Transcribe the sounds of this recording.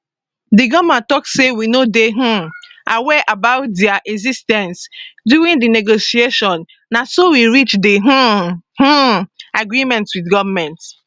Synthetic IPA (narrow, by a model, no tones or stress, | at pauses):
diɡɔvmãtɔkssewinodeɦ̩ʔawɛʔabaʊt̚dɛaʔɛzistɛ̃nsdjuɹĩndineɡosieʃɔ̃nː | asowiɹit͡ʃdiɦ̩h̩aɡɹimɛ̃ntswidɡɔvamɛ̃nt